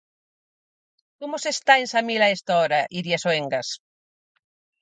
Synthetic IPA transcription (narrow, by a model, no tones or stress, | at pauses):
komosest̪aensamilaest̪aoɾaʔiɾiasoeŋɡas